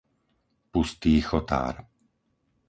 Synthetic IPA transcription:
pust̪iːxɔt̪a̰ːɾ

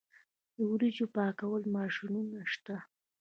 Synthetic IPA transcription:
d̪əwɾid͡ʒopɑkawəlmɑʃinunaʃt̪a

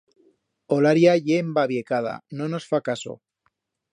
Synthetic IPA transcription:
olaɾjaʝembaβjekað̞a̰nonosfakaso̰

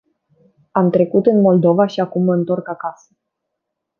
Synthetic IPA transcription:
amt̪ɾe̞kut̪ɨnmo̞ld̪o̞vaʃiakumːəɨnt̪o̞rkakasə̥

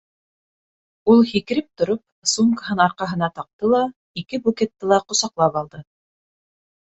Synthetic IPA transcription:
ulˠhikɘ̆ɾɘp̚t̪ŏɾop̚suŋkəɦɤnɑɾqɑɦɤ̆nɑt̪ɑq̚t̪ɤlˠɑ | ikɘbukʲet̪ːɘlˠɑqŏsɑqlˠɑpɑlˠd̪ɤ

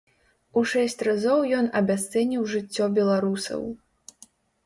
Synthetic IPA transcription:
uʂɛsʲt͡sʲrazɔwjɔnɐbʲas̬t̪sɛnʲiwʐɨt͡sʲːɔbʲɛlˠaɾusɐ̰w

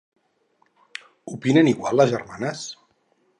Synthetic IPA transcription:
upinəniɣwa̰lˠləzʒərmanəs

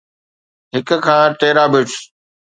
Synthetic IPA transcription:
ɦɪk̆kʰãːʈeːɾaːbɪʈ

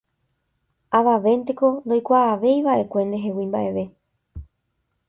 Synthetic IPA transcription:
aʋaʋe̞nt̪e̞ko̞nd̪o̞jkʷaːʋe̞jʋaʔe̞kʷe̞nd̪e̞ɦe̞wĩmbaʔe̞ʋe̞

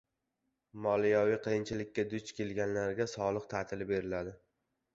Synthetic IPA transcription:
mɒlˠijɒviqʰejɪnt͡ʃʰɪlɪkʲʰːad̪ʊt͡ʃkʲe̞lɡʲanlaɾɡʲasɒlˠɨq̚t̪ʰat̪ʰɪlɪbe̞ɾɪlad̪ɪ

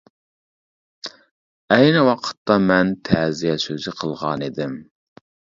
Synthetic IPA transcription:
ɛjnɪwɑqʰə̥t̪ːɑmɛnt̪ʰɛːzijɛsøzɪqʰəlˠʁɑnid̪ɪm

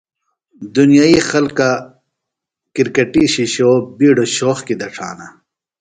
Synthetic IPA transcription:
d̪unjaixɐlka | kiɾkɐʈiɕiɕobiːɖoɕoːxkid̪ɐʈ͡ʂʰa̰ːna

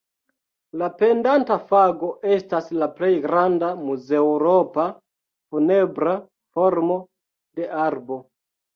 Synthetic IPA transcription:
lape̞ndantafaɡo̞ʔe̞staslaple̞jɡɾandamuze̞uɾo̞pa | fune̞bɾa | fo̞ɾmo̞ | de̞ʔaɾbo̞

